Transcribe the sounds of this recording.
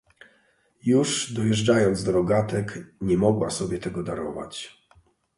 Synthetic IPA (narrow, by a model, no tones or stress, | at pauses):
juʐd̪ɔjɛʐd͡ʐajɔnd̪zd̪ɔɾɔɡat̪ɛkɲɛmɔɡwasɔbʲjɛt̪ɛɡɔd̪aɾɔva̰t͡ɕ